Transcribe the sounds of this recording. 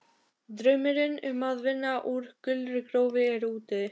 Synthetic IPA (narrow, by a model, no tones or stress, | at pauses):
t̪ɾœɥmɪɾɪnʏmaðvɪnːaʔuɾ̥kʏlɾɪkɾowvɪɛɾuːt̪ɪ